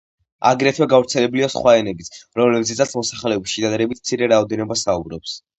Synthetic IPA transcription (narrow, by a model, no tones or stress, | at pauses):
a̰ɡɾɛt̪ʰwɛɡavɾt̪sʰɛlɛbliasχwaɛnɛbit̪ʰɾɔmlɛbzɛt̪sat̪sʰmɔsaχlɛɔbʃid̪ad̪ɾɛbit̪ʰmt̪sʰiɾɛɾaɔd̪ɛnɔbasaubɾɔps